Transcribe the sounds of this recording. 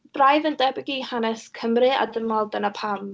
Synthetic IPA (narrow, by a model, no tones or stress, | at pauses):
b̥rajvəndɛbɪɡihanɛskʰəmrɨa̰dəmɔlˠdənapʰam